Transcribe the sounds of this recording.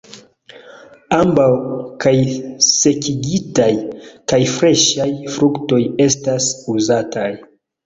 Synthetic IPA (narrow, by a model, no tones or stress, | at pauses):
ambawkajse̞kiɡitajkajfɾe̞ʃajfɾukto̞je̞stasuzataj